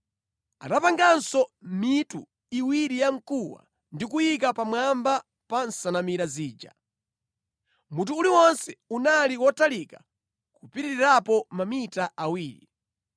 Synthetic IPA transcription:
a̰tapaŋɡansɔmitu | iwiɾijaŋ̩kuwa̰ | ndikujik̬apamwamba | pansanamiɾaziːd͡ʒa̰ | mutuːliwɔnsɛunalikwɔtalika | kupiɾiiɾapɔmamitaʔawiːɾḭ

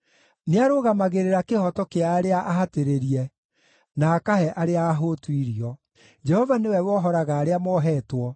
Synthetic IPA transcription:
neaɾoɣamaɣeɾeɾakehɔtɔkeaːɾeaʔaɦateɾeɾiɛ | naːkahɛʔaɾeaːɦotwiɾiɔ | d͡ʒɛhɔvanewɛwɔɦɔɾaɣaːɾeamɔɦɛːtwɔ

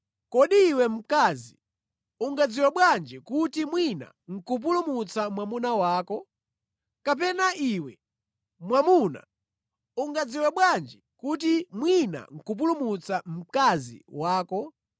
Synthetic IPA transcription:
kɔɗiːwɛm̩kaːzi | uŋɡad͡ziwɛɓwand͡ʒikutimwina̰ŋ̩kup̬ulumut͡samwamunawaːkɔ | kap̬ɛnaʔiwɛ | mwamuna̰ | uŋɡad͡ziwɛɓwand͡ʒikut̬imwina̰ŋ̩kup̬ulumut͡sam̩kazḭwaːkɔ

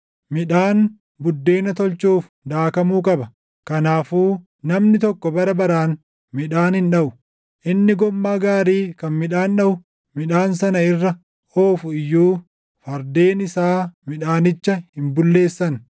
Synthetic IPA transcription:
mɪᶑaːn | bʊd̪ːe̞ːnɐt̪ɔlt͡ʃuːf | d̪aːkɐmuːkʼɐbɐ | kɐnaːfuː | nɐmnɪt̪ɔkːɔbɐɾɐbɐɾaːn | mɪᶑaːnhɪnᶑɐʔʊ | ʔɪnːɪɡɔmːaːɡaːɾiːkɐnmɪᶑaːnɗɐʔʊ | mɪᶑaːnsɐnɐɪrːɐ | oːfʊɪjːuː | fɐɾd̪e̞ːnɪsaːmɪᶑaːnɪt͡ʃːɐhhɪmbʊlːe̞ːsːɐn

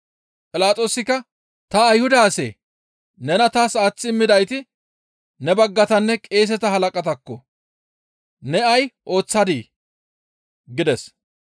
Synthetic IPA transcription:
pʼɪlaːt͡sʼo̞ːsɪkːɐ | t̪ɐːjhʊd̪ɐːsḛː | nɛnɐt̪aːsaːt͡sːɪmːɪd̪ɐjt̪ɪ | nɛbɐɡːɐt̪ɐnːɛkʼeːs̬ɛt̪ɐɦɐlɐkʼɐt̪ɐkːɔ | nɛɐjʔo̞ːt͡sːɐd̪iː | ɡɪd̪ɛs

